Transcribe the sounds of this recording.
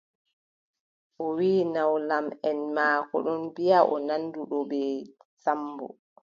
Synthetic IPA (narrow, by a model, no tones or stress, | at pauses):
ʔɔwiːnawlamɛnmakɔ̰ɗɔnbijaʔɔnanːduɗɔbɛ | sambɔ̰